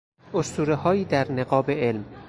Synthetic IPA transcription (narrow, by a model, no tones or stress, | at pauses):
ost̪uːɾehɒːiːd̪æɾneɡɒːbeelm